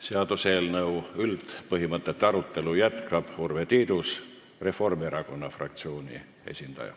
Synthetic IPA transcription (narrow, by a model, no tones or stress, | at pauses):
seɑd̪̥uselnɤwylt̪pɤɦimɤt̪ˑːe̞t̪ːˑɑɾut̪ˑːe̞lujæt̪kɑb̥hurve̞t̪iːd̪̥us | re̞fo̞rmeɾɑko̞nːɑfrɑ̰kt̪sio̞ːnʲḭ | e̞̰sʲind̪̥ɑ̰jɑ̰